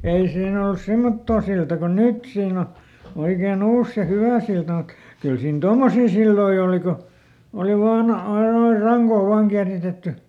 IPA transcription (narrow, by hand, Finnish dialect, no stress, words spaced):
ei siːn olŭs semːotːoː siltɑ ko nyt siːn o oikeːn olːus se hyʋæˑ siltɑ mut kyl siːn tomːosiː silːoi oːli ko oli ʋɑːn ɑi noi rɑŋkoː ʋɑːŋ kiæritetːy